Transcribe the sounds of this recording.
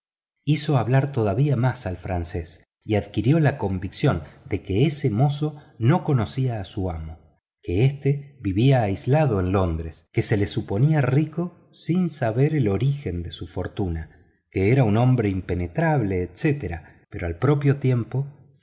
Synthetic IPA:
iso̞aβlaɾt̪o̞ð̞aβiamasalfɾanse̞s | iaðkiɾjo̞lako̞mbiksjo̞nd̪e̞keesemo̞so̞no̞ko̞no̞siaːsuamo̞ | keest̪e̞βiβiaːjzlaðo̞enlo̞nd̪ɾeske̞se̞le̞supo̞niariko̞ | sinsaβe̞ɾelo̞ɾixe̞nd̪esufo̞ɾt̪una | ke̞eɾaunõ̞mbɾeimpene̞t̪ɾaβle̞ːt̪set̪eɾa | peɾo̞alpɾo̞pjo̞t̪je̞mpo̞

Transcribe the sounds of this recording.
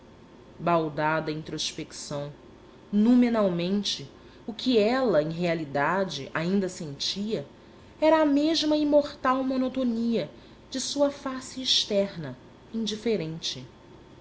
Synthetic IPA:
bawd̪ad̪ɐĩt̪ɾoʃpeksɐ̃w̃ | nomenawmẽnt͡ʃɪ | ʊkʰɪɛlɐẽj̃ɦealid̪ad͡ʒɪ̰ʔaĩnd̪ɐsẽnt͡ʃiɐ | ɛɾɐːmeʒmɐimoχt̪awmonot̪oniɐ | d͡ʒɪsuɐfasɪːʃt̪ɛɾnɐ | ĩnd͡ʒifeɾẽnt͡ʃɪ

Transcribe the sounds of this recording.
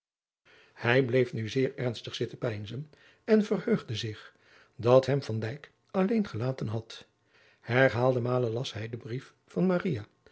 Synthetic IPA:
hɛjblejfnyzɪːɹɛɹnstəχsɪtəpɛjnzən | ɛnvərhøɥχdəzɪχ | dɑtɦɛmv̥ɑndɛjk | ɑlejnχəlaːtənɦɑt | hɛɹɦaːlˠdəmaːləlɑsɦɛjdəbrif | fɑnmaːrija

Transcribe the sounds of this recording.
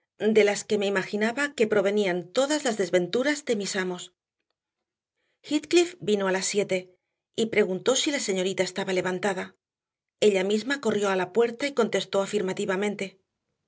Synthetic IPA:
d̪e̞laske̞me̞imaxinaβake̞pɾo̞β̞e̞niant̪o̞ðazlazðe̞zβe̞nt̪uɾazd̪e̞misamo̞s | xit̪klifbino̞alasːje̞t̪e̞ | ipɾe̞ɣunt̪o̞silase̞ɲo̞ɾit̪ae̞st̪aβale̞β̞ant̪aða | e̞ʎamizmako̞rjo̞alapwe̞ɾt̪aiko̞nt̪e̞st̪o̞afiɾmat̪iβamẽ̞nt̪e̞

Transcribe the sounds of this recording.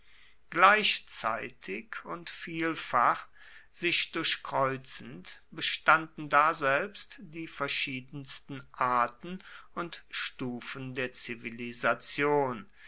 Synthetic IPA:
ɡ̥laɪçt͡sa̰ɪtʰɪkʰʊntfiːlfaχ | z̥ɪçd̥ʊɐçkʁ̥ɔʏt͡sn̩tb̥əʃtandn̩daːzɛlpstd̥iːfɛɐʃiːdn̩stn̩ʔaɐtn̩ʊntʃtuːfəndeːɐt͡sivilizat͡sjoːn

